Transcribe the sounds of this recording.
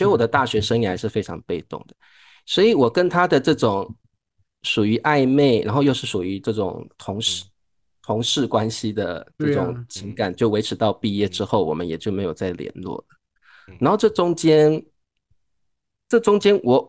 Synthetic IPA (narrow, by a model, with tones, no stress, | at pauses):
swɔ˧˥˧wɔ˨˩d̪ə˦t̪a˥˩ɕɥɛ˧˥ʂə˥ŋi˥˩xa˧˥ɪʂɻ̩˥˩fe˥ɪʈ͡ʂʰɑ̰˧˥ŋpe˥˧ɪt̪ʊ̰˥˩ŋd̪ə˩ | swɔ˧˥i˨˩wɔ˨˩kə˦nt̪ʰa˥d̪ə˨ʈ͡ʂɤ˥˩ʈ͡ʂʊ˨˩˦ŋ | ʂu˨˩y˧˥ʔa˥˧ɪme˥˩ɪɻa̰˧˥nxo˥˧ʊjo˥˧ʊʂɻ̩˥˩ʂu˨˩y˧˥ʈ͡ʂɤ˥˩ʈ͡ʂʊ̰˨˩ŋt̪ʰʊ˧˥ŋʂ | t̪ʰʊ˧˥ŋʂɻ̩˥˩kwa˦˥nɕi˧d̪ə˨˩ʈ͡ʂɤ˥˩ʈ͡ʂʊ̰˨˩ŋt͡ɕʰi˧˥ŋka˨˩nt͡ɕjo˥˩ʊwe˧ɪʈ͡ʂʰɻ̩˧˥t̪ɑ˥˧ʊpi˥˧jɛ˥˩ʈ͡ʂɻ̩˥xo˥˩ʊwɔ˨˩mə˦njɛ˨˩t͡ɕjo˥˩ʊme˧˥ɪjo˨˩ʊt͡sa˥˩ɪljɛ̰˧˥nlwɔ̰˥˩lə˩ | na˧˥nxo˥˧ʊʈ͡ʂɤ˥˩ʈ͡ʂʊ˥ŋt͡ɕjɛ˥n | ʈ͡ʂɤ˥˩ʈ͡ʂʊ˥ŋt͡ɕjɛ˥nwɔ˨˩